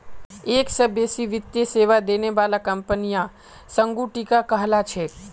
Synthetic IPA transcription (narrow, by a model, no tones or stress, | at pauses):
eksəbesiʋɪt̪jeseʋad̪eneʋalakəmpənijã | səŋɡuʈikakəɦlat͡ʃʰe